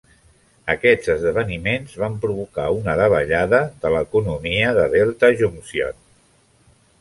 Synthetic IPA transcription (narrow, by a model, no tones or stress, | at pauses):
əkɛd͡zəzðəβ̞ənimenzβampɾuβ̞uka̰unəðəβəʎaðəðələkunumiəðəβɛlˠt̪əʒumsjɔ̰n